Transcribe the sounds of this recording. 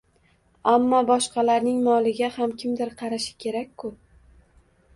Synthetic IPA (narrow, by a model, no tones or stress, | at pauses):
amːɒbɒʃqɑlaɾnɪŋmɒlˠɪɡʲahamkʲʰɪmd̪ɪɾqʰɑɾaʃɪ̥kʲʰe̞ɾakʲːʰʊ